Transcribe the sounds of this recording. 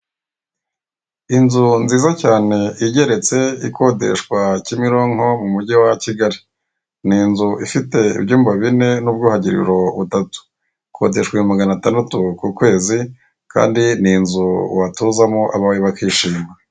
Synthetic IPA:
inzunziːzacaːne̞iɟe̞ɾe̞t͡se̞ikʰo̞de̞̰ʃkwacimiɾo̞ŋho̞mumuɟiwaciɡaɾi | niːnzuʔifite̞ḭbɟuːmbaβine̞nubɡuːhaɟiɾḭɾo̞βutatu̥ | kʰo̞ːde̞ʃkwaumaɡanataːndatukukwe̞ːzi | ka̰ːndininzuwatuːzamoʔa̰βaweβakiːʃiːma

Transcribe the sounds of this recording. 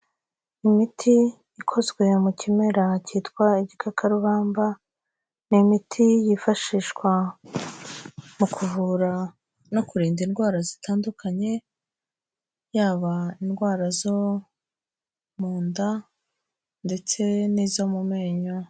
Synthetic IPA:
imitʰijikʰo̞zɡwe̞mucime̞ɾacitkwaiɟikʰakʰaɾuβaːmba | nimitʰijifaʃiːʃkwa | mukʰuvuɾa | no̞kuɾiːndinɡwaːɾazitʰaːndukʰaɲe̞ | jaːβainɡwaːɾazo | muːnda | nde̞t͡se̞nizomumeːɲo

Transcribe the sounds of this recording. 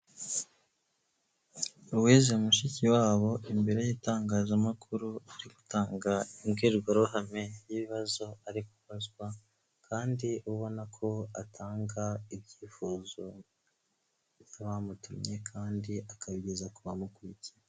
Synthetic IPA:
uweːzeumuʃiciwaːβo̞imbe̞ɾe̞jiːtaːŋɡaːzamakuɾuaɾiɡu̥tʰaːŋɡaimɡiːɾɡwaɾuhame̞jiβiβazo̞aɾiku̥βazɡwa | kʰaːndiuβo̞nakʰo̞atʰaːŋɡaibɟiːfuːzo̞ | bjaβamutumɲe̞kʰaːndiakaβiɟezakuβamukuiciɾa

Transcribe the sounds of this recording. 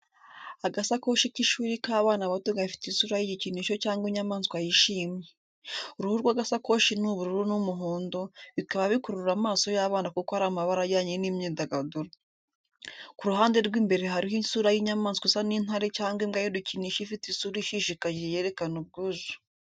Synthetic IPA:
aɡasako̞ːʃikiʃuːɾikaːβaːnaβatuɡaifi̥tinsuːɾajiɟiciniʃo̞caːŋɡwiɲamaːnskwajiʃiːmje | uɾuhuɾɡwaɡasako̞ʃinuβuɾuɾunumuɦoːndo̞βikaβaβikoɾuɾuɾamaːso̞jaːβaːnakukohaɾaːmaβaɾajaːɲenimɲiːndaɡaduɾa | kuɾuɦaːnde̞ɾɡwiːmbe̞ɾeɦaɾihinsuɾajiɲamaːnskʷwasanin̥haɾecaːŋɡwimɡajoduciniːʃifitinsuɾiʃiʃikaʒeje̞ɾe̞kanub̚ɡuːʒu

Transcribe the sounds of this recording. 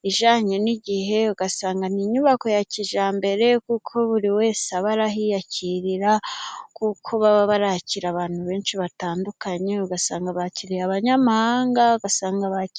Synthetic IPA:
iʒaːɲeniɟiɦe̞uɡasaːŋɡaniɲuβako̞jaciʒaːmbe̞ɾe̞kuːkʰo̞βuɾiwe̞ːsaβaɾaɦijacʰiɾiɾakukʰo̞βaβaβaɾaciɾaβaːnhuβe̞ːnʃiβataːndukaɲe̞uɡasaːŋɡaβaciɾiaβaɲamahaːŋɡauɡasaːŋɡaβaci

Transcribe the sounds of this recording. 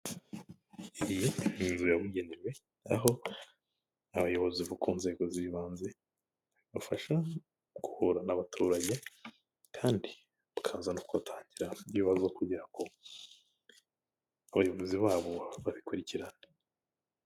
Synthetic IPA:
iijeinzujaβwiɟe̞neɾwe̞ | a̰ɦo̞ | aβajo̞βoziβukuːnze̞ɡo̞ziβaːnze | βafaʃa | kuhuɾanaβatʰuːɾaɟe̞ | kʰaːndi | βukʰaːzanokuβatʰaːɲɟiɾaujiːβazokuɟiɾako̞ | aβajo̞βoziβaːβo̞βaβikuɾiciɾa

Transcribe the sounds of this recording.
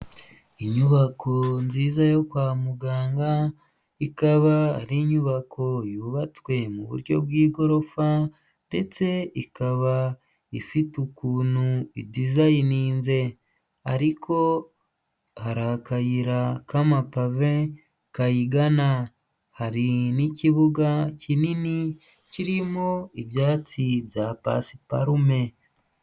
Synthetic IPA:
iɲuβakʰo̞nziːzajo̞kwaːmuɡaːŋɡa | ikaβaa̰ɾiɲuβakʰo̞juβat͡swe̞muβṵɾɟo̞̰bwiːɡo̞ɾo̞fa | nde̞t͡se̞ikaβa | ifitukuːnuidizajiniːnze̞ | aɾikʰo̞ | haɾakajiɾakamapave | kajiɡana | haɾiniciβuɡacʰinini | ciɾimoibjaːt͡sibjapa̰si̥pa̰ɾume̞

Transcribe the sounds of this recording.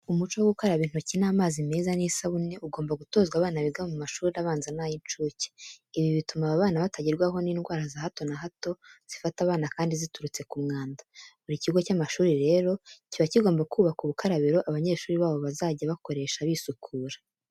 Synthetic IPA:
umut͡ʃowoɡukoɾaβiːn̥hucinaːmaːzime̞ːzaniːsaβune̞ʔuɡoːmbaɡuto̞ːzɡwaβaːnaβiɡaβemumaʃuːɾiɾaβaːnzanajint͡ʃuːce̥iβiβitumaβaβaːnaβatʰaɟiɾɡwaɦo̞niːnɡwaːɾazahato̞naɦato̞z̥ifataβaːnakaːndizituɾut͡se̞kumŋaːndaβuɾiciɡo̞camaʃuːɾiɾe̞ːɾo̞iciβaciɡo̞ːmbakʰuːβakuβukʰaɾaβiɾo̞ʔaβaɲe̞ːʃuːɾiβaːβo̞βazaːɟaβako̞ɾe̞ːʃaβisukʰuːɾḁ

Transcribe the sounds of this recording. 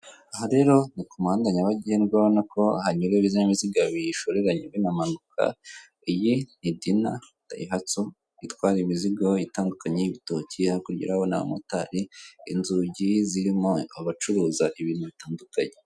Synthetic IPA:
aɦaɾe̞ɾo̞nikumaːndaɲaβaɟiheniɡwaβonako̞a̰haɲɲiɾeβizaɲimiziɡaβiʃoɾeɾaɲiɡwenamanukʰa̰ | ijinidina | ta̰iɦat͡so | itwaːɾiimiziɡoitaːndukaɲejiβito̞ciaikuɾɟḭɾahona̰a̰motaɾiḭnzuɟiziɾimoaβat͡ʃuɾuːzaʔiβiːn̥huβitaːndukaɲe

